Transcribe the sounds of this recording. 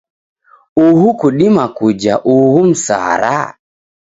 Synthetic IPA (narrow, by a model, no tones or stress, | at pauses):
uhukuɗimakud͡ʒa̰ʔuhum̩sa̰ːɾa̰